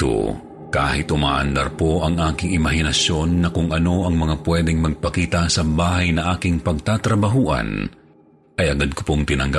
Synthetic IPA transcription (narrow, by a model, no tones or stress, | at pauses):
t̪o̰ | kaːhɪt̪ʔʊma̰ːʔɐ̰nd̪aɾpo̞ʔɐŋʔaːkɪŋɪmɐɦɪnɐsjo̞nːɐkʊŋʔɐno̞ʔɐŋmɐŋapwɛd̪ɛŋmɐɡ̚pɐkiːt̪ɐsɐbaːɦɐjnɐʔaːkɪŋpɐɡ̚t̪aːt̪ɾɐbɐɦuːʔɐ̰n | ʔɐjʔɐɡad̪̚kʊpoŋt̪ɪnɐŋɡap